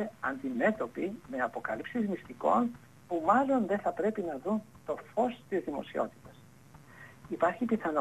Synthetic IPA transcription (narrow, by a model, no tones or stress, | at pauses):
eɐnd̪ime̞t̪o̞pime̞ɐpo̞kɐlipsizmist̪iko̞n | pumɐlo̞nðeθɐpɾe̞pinɐðunt̪o̞fo̞st̪izðimo̞̰sio̞̰t̪i̥t̪ɐs | ipɐɾçipiθɐno